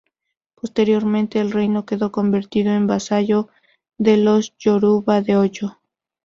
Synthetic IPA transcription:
po̞st̪e̞ɾjo̞ɾmẽnt̪e̞ːlrejno̞ke̞ðo̞ko̞mbe̞ɾt̪iðoe̞mbasaʝo̞ | ðe̞losʝoɾuβaðe̞ot͡ʃo

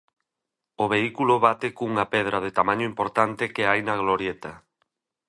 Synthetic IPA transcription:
oβeikuloβat̪ekuŋapeð̞ɾaðet̪amaɲoimpoɾt̪ant̪ɪkeajnaɣloɾjet̪a

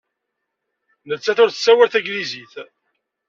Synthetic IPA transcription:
nəlt͡sːæθʊɾθəsːæwæɾθæɡliziθ

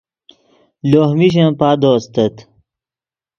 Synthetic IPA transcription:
loːhmiɕ̬ẽpaːd̪oːst̪et̪

